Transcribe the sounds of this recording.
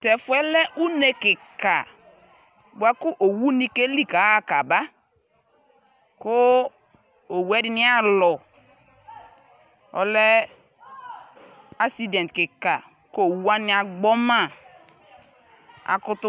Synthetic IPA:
tɛ˨fʊ˨˦ɛ˦lɛ˦ʔu˦ne˨kɪ˨ka˨ | bwa˦kʊ˦ʔo˨wu˦nĩ˦ke˦li˦ka˨˦a˦˨ka˨ba˦ | ko˦ | o˨wu˦ɛ˦dɪ˦nɪ˦a˦lɔ˨ | ɔ̰˨lɛ˦ | a˦si˦dɛ̃˨n˨t̪̚kɪ˨ka˨ | ko˦o˨wu˦a˦nɪ̃˦a˨ɡ͡bɔ˦ma˦˨ | a̰˨kʊ˦t̪ʊ˦

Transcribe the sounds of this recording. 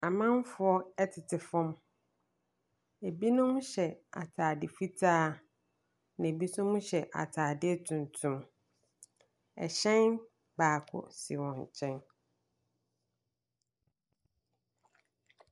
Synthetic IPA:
a˨mã˦m˦fʊ˦ɔ˦ɛ˦tʰɪ˨tʰɪ˨fɔ̃˦m | e˨bi˦nʊ̃˦m˦ɕɛ˨a̰˨tʰaː˨dɪ˨fi˦tʰaː˦ | nã˨bi˦sʊ̃˦mũ˦ɕɛ˨ʔa̰˨tʰaː˨dɪ˦tʰũ˨n˨tʰũ˨m | ɛ̰˨ɕɛ̃˦n | baː˨kʰʊ̰˨sḭ˨wɔ̃˨ɲ˨t͡ɕʰɛ̃˦n

